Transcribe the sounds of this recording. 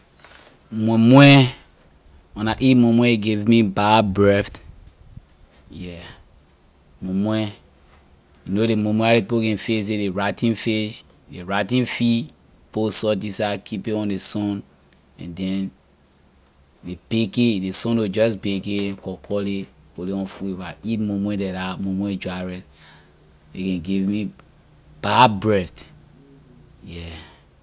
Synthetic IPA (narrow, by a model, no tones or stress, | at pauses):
mɔmwɛ | ɔ̃naʔimɔ̃mwɛɡevmibabɹɛft | jɛ | mɔ̃mwɛ | junolemɔ̃mwɛaɾepokɛ̃nfes̬dedeɹatĩnfeʃ | deɹatĩnfi | posɔt̬isakʰipeɔ̃ndesɔ̃n | ɛ̰̃ndɛ̃n | depekedesɔ̃nod͡ʒɔs̬pekeɛ̃kɔkʰɔleoleɔ̃nfuevaitmomwẽdɛdamomwẽd͡ʒaɹɛs | ekɛ̃nɡivmi | b̥abɹɛt | jɛ